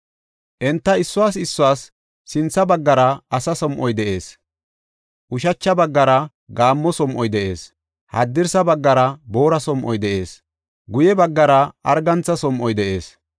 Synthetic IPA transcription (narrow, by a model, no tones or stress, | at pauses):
ʔɛnt̪ːɐɪsːʊwaːsɪsːʊwaːsː | ɪnt͡sːɐbɐɡːɐɾɐɐsɐsɔmʔɔjd̪ɛʔe̞ːs | ʔʊʃɐt͡ʃːɐbɐɡːɐɾɐ | ɡaːmːɔsɔmʔɔjd̪ɛʔe̞ːs | hɐ̰d̪ːɪɾsɐbɐɡːɐɾɐbo̞ːɾɐsɔmʔɔjd̪ɛʔe̞ːs | ɡʊjɛbɐɡːɐɾɐʔɐ̰ɾɡɐnt͡sːɐsɔmʔɔjd̪ɛʔe̞̰ːs